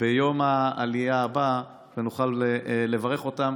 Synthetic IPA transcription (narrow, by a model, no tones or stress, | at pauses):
b̥ejo̞maalijaːba | venuχalle̞vaʁe̞χo̞tam